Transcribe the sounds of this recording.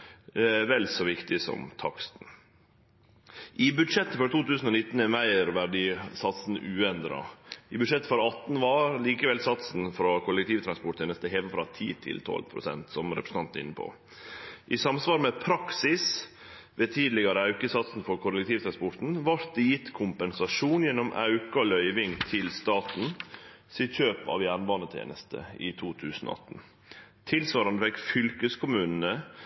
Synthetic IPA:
ʋɛlsɔʋɪkt̪ɪsɔ̰mt̪ʰɑksn̩ | ʔɪbʉd̪ʂɛt̪ːəfɔɾt̪ʰuːt̪ʉːsn̩ɔnɪt̪ːn̩ɛmæɪɾʋæɖiːsɑt̪sn̩ʉːɛnd̪ɾɑ̰ɪbʉd̪ʂɛt̪ːəfɔɾɑt̪nʋɑːɾliːkəʋɛlsɑt̪sn̩fɾɑkʰʊlɛk̚t̪ʰiːʋt̪ʰɾɑnspɔʈ̪ːʰeːnəst̪əɦeːʋ̪əfɾɑt̪ʰḭːt̪ʰɪ̰lt̪ʰɔ̰lpʰɾʊ̰sɛ̰nt̪sɔmɾɛpɾəsn̩t̪ɑnt̪ɪ̰nːəpʰo̰ː | ʔisɑmsʋɑːɾmɛpʰɾɑksɪs | ʋeːt̪ʰiːd̪lɪɡɑɾəɑʉkəsɑt̪sn̩fɔɾkʰʊlɛk̚t̪ʰiːʋt̪ʰɾɑnspɔʈ̪n̩ʋɑɾt̪̚d̪ɛjɪt̪ːkʰʊmpɛnsɑʂuːnjɛnːɔmʔɑ̰ʉkɑlœʏʋɪŋt̪ʰɪlst̪ɑːt̪n̩ | sid̪çøːpɑ̰ʋjæːɾɳʋɑːnət̪ʰḛːnəst̪ʰə̰ḭːt̪ʰuːt̪ʰʉːsn̩o̰ɑ̰t̪n̩ | t̪ʰɪlsʋɑːɾɑnəfɛkfʏlkəskʰʊmʉːnn̩ə

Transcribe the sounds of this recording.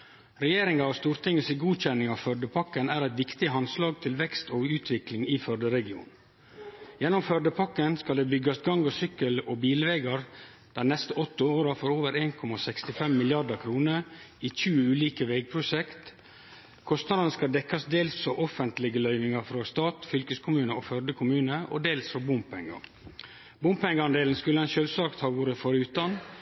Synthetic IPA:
ɾɛjeːɾɪŋɑɑst̪uːɾt̪ʰɪŋəsiɡuːc͡çɛnːɪŋɑʋfœɖəpʰɑkːənæːɾæɪt̪ʋɪkt̪ɪɦɑnslɑːɡ̚t̪ʰɪlʋɛkst̪oːʉːt̪ʰʋɪklɪŋiːfœɖəɾɛɡɪṵːn | jɛnɔmfœɖəpʰɑkːənskɑld̪ɛːbʏɡɑsɡɑŋɔsʏkəlɔbiːlʋeːɡəɾ | d̪̥ænɛst̪əɔt̪ːəoːɾɑfɔɾoːʋəɾeːnkʰɔmɑsɛkst̪ɪfɛmːɪlɪɑɖəkʰɾuːnəɾiːçʉːʉːliːkəʋɛɪɡ̚pʰɾʊsɛkt̪ | kʰɔst̪nɑd̪ənəskɑd̪ɛkːɑsd̪eːlsfɔʔɔfənt̪lɪɡəlœʏʋɪŋɑɾfɾɑst̪ɑːt̪fʏlkəskʰʊmʉːnəoːfœɖ̪əkʰʊmʉːnəʔo̰d̪eːlsfɔbʊmpʰɛŋːə̰ | bʊmpɛŋɡəɑnd̪eːln̩skʉləɛnʃølsɑːkt̪hɑːʋuːɾəfɔɾʉːt̪ɑn

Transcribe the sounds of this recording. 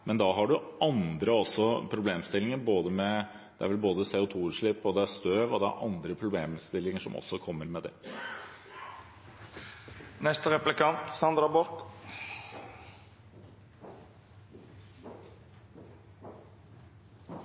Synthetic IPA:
mɛnd̪ɑːɦɑɖʉʔɑnd̪ɾəɔsːɔpʰɾʊbleːmst̪ɪlɪŋəɾboːd̪əmɛ | d̪̥ɛæɾʋɛlboːd̪əseːʊt̪ʰuːɾʂɭɪpːɔd̪ɛæst̪øːʋɔd̪ɛæ̰ɾʔɑ̰nd̪ɾəpʰɾʊbleːmst̪ɪlːɪŋəʂɔ̰mɔ̰sːɔkʰɔmːəɾmɛd̪ɛ̰ | nɛst̪əʁɛplɪkʰɑnt̪sɑnd̪ɾɑbɔɾk

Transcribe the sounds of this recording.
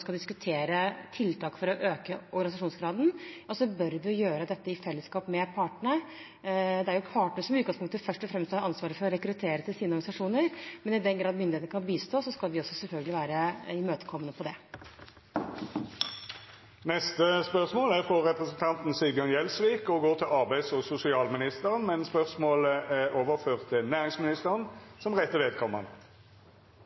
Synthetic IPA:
skɑd̪ɪskʉt̪ʰeːɾət̪ʰɪlt̪ʰɑːkfɔɾɔʔøːkəɔɾɡɑnɪsɑʂuːnsɡɾɑːd̪nɔsɔbœɾʋɪʊjøːɾəd̪ɛt̪ːəɪfɛlːəskɑːpmɛpʰɑːʈəɳə | d̪ɛæɾjʊpʰɑːʈnəsɔmʉt̪̚ɡɑŋspʊŋkt̪əfœʂʈɔfɾɛmst̪ːɾɑnsʋɑːɾəfɔɾɔɾɛkɾʉt̪ʰeːɾət̪ʰɪlsiːnəɔɾɡɑnɪsɑʂuːnəɾmɛnɪd̪ɛnɡɾɑːd̪mʏnd̪ɪet̪əkʰɑnbiːst̪oːsɔskɑlʋɪɔsːɔsɛlfœlɡəlɪʋæːɾəɪmøːt̪ə̥kʰɔmːənəpʰɔd̪ɛ | nɛst̪əspœʁsmoːlæʁfʁɔʁɛpʁəsən̩t̪ʰɑnt̪n̩syːbɪɑnjɛlsʋiːkɔɡoːt̪ʰɪlɑʁbæɪsɔsʊsɪɑːlmɪnɪst̪əʁənmɛnspœʁsmoːləæoːʋəʁføːʁt̪ʰːɪlnæːʁɪŋsmɪnɪst̪əʁənsɔmʁɛt̪ːəʋeːd̪̚kʰɔmːə̰n

